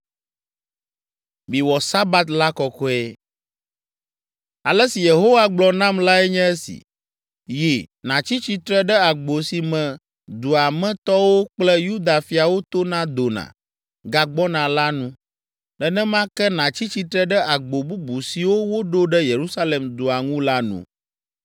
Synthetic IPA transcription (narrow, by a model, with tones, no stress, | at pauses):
mĩ˨wɔ˨sa˦ba˦t̪la˦kɔ˨kɔ˦ɛ˦ | a˨lɛ˦si˨je˨ɦo˦wa˦ɡ͡blɔ˨nã˦mla˦ɛ˦ɲɛ̃˦ɛ˦sḭ˨ | ji˨nã˨t͡ɕi˦t͡ɕi˦t̪ɾɛ˦ɖɛ˦a˨ɡ͡bo˨si˨mɛ̃˨ | d̪u˨a˨mɛ̃˦t̪ɔ˦wo˦k͡plɛ˦ju˦d̪a˨fi˨a˨wo˦t̪o˦nã˦d̪o˨nã̰˨ | ɡa˨ɡ͡bɔ˦nã˨la˦nũ˦ | ɖɛ˨nɛ̃˦mã˦kɛ˦nã˨t͡ɕi˦t͡ɕi˦t̪ɾɛ˦ɖɛ˦ʔa˨ɡ͡bo˨bu˦bu˨si˨wo˦wo˦ɖo˦ɖɛ˦je˨ɾu˦sa˦le˨md̪u˨a˨ŋũ˦la˦nṵ̃˨